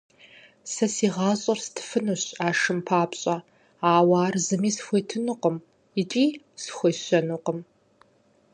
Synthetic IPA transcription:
sɐsiːʁɑːɕʼɐrstʰɨ̥fɨnuɕaːʂɨmpʰaːpɕʼɐ | aːwaːrzɨmiːsxʷeːtʰɨnuqʼəm | ɪt͡ʃʼiː | sxʷejɕɐnuqəm

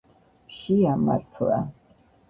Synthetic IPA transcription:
ʃiama̰ɾt̪ʰa

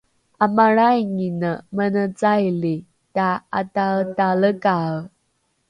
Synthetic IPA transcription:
amaɾajŋinəmənət͡sajli | taatataləka

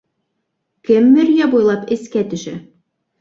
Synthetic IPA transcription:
kɘmːɘɾjæbujlˠɑpɘ̆skæt̪ɵ̆ʃæ

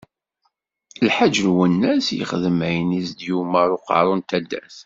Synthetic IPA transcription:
lħad͡ʒəlwənːæsjə̰χðəmæjnisd̪jumæɾˤʊqɑ̰ɾˤunt̪æd̪ːæ̰θ

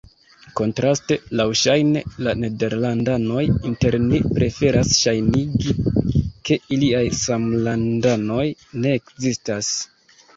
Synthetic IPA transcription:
ko̞ntɾaste̞lawʃajne̞lane̞de̞ɾlandano̞jinte̞ɾnipɾʔe̞fe̞ɾasʃajniɡike̞iliajsamlandano̞jne̞ːkzistas

